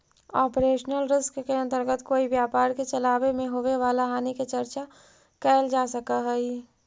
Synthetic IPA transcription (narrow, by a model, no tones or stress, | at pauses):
ɔːpɾeːʃnəlɾɪskkeə̃nt̪əɾɡət̪koːiʋjaːpaːɾket͡ʃɐlaːʋemẽɦoːʋeʋaːlaɦaːniket͡ʃəɾt͡ʃa | kɛːld͡ʒaːsəkaɦɛi